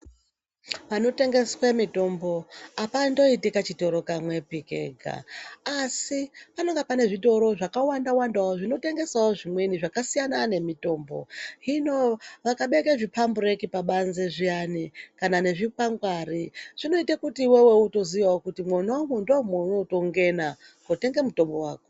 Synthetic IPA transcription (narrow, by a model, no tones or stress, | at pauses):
pano̞te̞ŋɡe̞swemito̞mbo̞apando̞itikat͡ʃito̞ɾo̞kamwe̞pikḛɡʱa̰ː | sipano̞ŋɡapane̞ʐito̞ɾo̞ʐakawandawandawoʐino̞te̞ŋɡe̞sawoʐimweniʐakasijanane̞mito̞ːmbo̞̰ɦino̞ʋakaɓe̞keʐipʰamburekipaɓanzeʐianikanane̞ʐipaŋɡwariʐ̥ino̞itakutiwewe̞uto̞ziʋaokutimwonaomwondamwounoto̞ŋɡe̞na | kote̞ŋɡemuto̞mbo̞wa̰ːko